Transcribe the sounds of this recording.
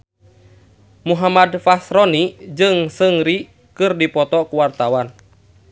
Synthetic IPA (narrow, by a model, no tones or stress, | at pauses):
muɦamadfasɾɔnid͡ʒɨŋsɨŋɾi | kɨrdipɔt̪ɔkuwart̪awan